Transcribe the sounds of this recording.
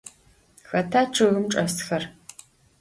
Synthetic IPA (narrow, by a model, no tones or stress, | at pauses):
xɐtʰaːt͡ʃʰɨɣɨmʈ͡ʂʼɐsxɐr